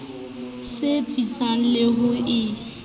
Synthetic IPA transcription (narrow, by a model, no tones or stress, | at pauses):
sɪt͡sʼit͡sʼan̩leɦʊɪ